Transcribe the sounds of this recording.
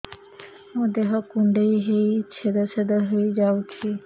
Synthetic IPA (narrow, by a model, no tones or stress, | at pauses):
od̪eɦɔkuɳɖejɦejt͡ɕʰed̪at͡ɕʰed̪aɦojd͡ʑawkʰi